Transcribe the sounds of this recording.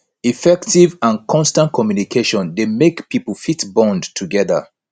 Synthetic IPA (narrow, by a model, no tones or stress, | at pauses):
ifɛktivãnkʰɔ̃nstãnt̚kʰɔmjunikʰeʃɔ̃ndemekpipəlfitbɔ̃ndtʰuɡɛðə̰